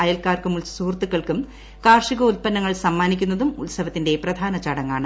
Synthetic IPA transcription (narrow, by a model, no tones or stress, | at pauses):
ɐjɐlkaːrkumulsuːrt̪ːukːɐɭkum | kaːrʂiɣɐulpɐnːɐŋːɐɭsɐmːaːnikʲːunːɐðumṵlsɐʋɐt̪ːinde̞prɐd̪ʱaːnɐt͡ɕaːɽɐŋːa̰ːɳɨ